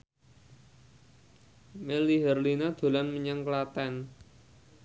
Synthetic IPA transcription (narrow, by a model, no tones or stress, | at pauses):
meliɦɛrlinad̪̥o̤lanməɲaŋklat̪ɛn